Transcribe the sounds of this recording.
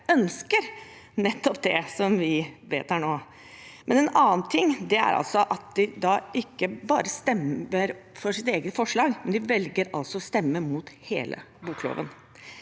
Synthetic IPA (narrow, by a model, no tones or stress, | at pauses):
œnskəɾ | nɛt̪ːɔp̚d̪ɛsɔmʋɪʋeːt̪hæɳoː | mɛnɛnɑːnt̪ʰɪŋːd̪ɛæ̰ɾɑ̰lsɔʔɑt̪̚d̪ɪd̪ɑːʔɪkːəbɑːɾəst̪ɛməɾfɔʂɪt̪eːɡət̪fɔʂɭɑːɡmɛnd̪ɪʋɛlɡəɾɑ̰lsɔst̪ɛmːəmuːt̪heːlʔə̰ | buːklo̰ːʋə̰n